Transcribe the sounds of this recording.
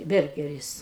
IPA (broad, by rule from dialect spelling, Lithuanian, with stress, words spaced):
ˈbʲɛrʲɡʲɛrʲɪs